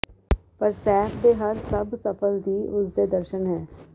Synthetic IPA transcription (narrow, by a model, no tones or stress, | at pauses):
pɐɾsɛːfʰb̪eɦɐɾsɐbsɐpəld̪ʱiʊsd̪ed̪əɾʃənɦɛː